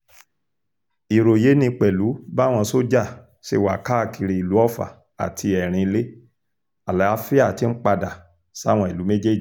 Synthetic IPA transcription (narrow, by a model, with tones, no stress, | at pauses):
i˨ɾo˨je˨˦nĩ˧k͡pɛ˨lu˨˦ba˦˨w̃ɔ̃˧so˦d͡ʒa˦˨ | ʃe˧˨wa˨ka˦˨ki˧ɾi˨i˨lu˨˦ɔ˦˨fa̰˨ | a̰˨tʰi˧ɛ˨ɾ̃ĩ˧i˧le˦ | a˨la˦fi˦a˦˨ti˨˦n̩˦k͡pa˧da˨ | sa˦w̃ɔ̃˧i˨lu˨˦me˦d͡ʒe˦d͡ʒi˨